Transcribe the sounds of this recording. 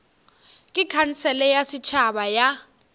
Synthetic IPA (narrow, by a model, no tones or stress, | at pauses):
kʼikʰanisɛlɛjasit͡ʃʰaɓaja